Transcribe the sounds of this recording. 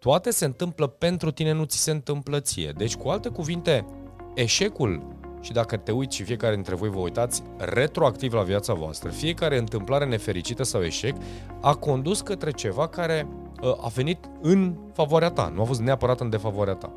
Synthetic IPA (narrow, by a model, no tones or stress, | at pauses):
t̪uat̪e̞se̞ɨnt̪ɨmpləpe̞nt̪ɾut̪ine̞nut̪si̥se̞ɨnt̪ɨmplət̪sḭje̞̰d̪e̞t͡ʃʲkualt̪e̞kuvint̪e̞ | eʃe̞kulʃid̪akət̪e̞ujt̪ʃifije̞kaɾe̞d̪int̪ɾe̞vo̞jvəujt̪at̪sʲ | re̞t̪ɾoakt̪ivlaviat̪savoa̰st̪ɾə̰fije̞kaɾe̞ɨnt̪ɨmplaɾe̞ne̞fe̞ɾit͡ʃit̪əsawe̞̰ʃe̞k | ako̞nd̪uskət̪ɾe̞t͡ʃe̞vakaɾe̞ | əʔa̰ve̞nit̪ | ɨn | favoaɾeat̪a̰nuafo̞s̬t̪ne̞apəɾat̪ɨnd̪e̞favoaɾeat̪a̰